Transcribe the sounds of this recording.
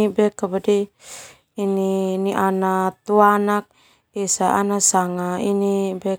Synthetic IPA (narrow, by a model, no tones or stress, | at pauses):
bɛkːabadiː | niniʔanat̪uanak̚ | isaanasaŋainibɛ